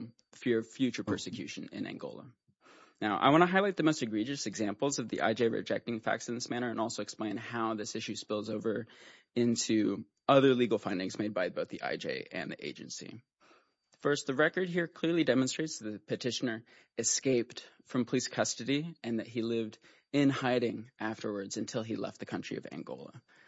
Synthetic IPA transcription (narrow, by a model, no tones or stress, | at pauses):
fɪɹʌv̥fjʉt͡ʃə˞pʰɜ˞sɨkʰj̥ʉ̰ʃɨ̃nɪ̰̃næ̰̃ŋɡo̰ʊlˠə̰ | naʊʔa̰ɪwɑ̃ñəɦaɪlaɪt̪̚ðɨmoʊstɨɡɹid͡ʒɨsɨɡzæ̃mpl̩ˠzʌvðḭʔa̰ɪd͡ʒeɪɹɨ̰d͡ʒɛ̰k̚tɪ̃ŋfæ̰k̚tsɨ̃n̩ðɪsmæɾ̃ə˞ɨ̃nɔlˠsoʊɨksplẽɪ̃nhaʊðɪsɪʃʉspɪlˠzoʊvə˞ | ɪ̃ntʰʉ | ʌðə˞liɡl̩ˠfãɪ̃ndɪ̃ŋzmeɪd̚baɪboʊθðiʔa̰ɪd͡ʒḛɪɨ̰̃nðḭʔḛɪd͡ʒɨ̰̃nsḭ | fɜ˞st̪̚ðɨɹɛkə˞d̚ɦiɹkʰl̥ɪɹlˠidɛmɨ̃nstɹ̥eɪtsðɨt̪̚ðɨpʰɨtʰɪʃɨnə˞ | ɨskeɪp̚t | fɹʌ̃mpʰəliskʰʌstɨɾiɨ̃nðɨt̚ɦilɪvd | ɪ̃nhaɪɾɪ̃ŋʔæftə˞wə˞dzɨ̃ntʰɪlˠilɛ̰ft̪̚ðɨkʰʌ̃nt͡ʃɹ̥ḭʌ̰væ̰̃ŋɡo̰ʊlˠə̰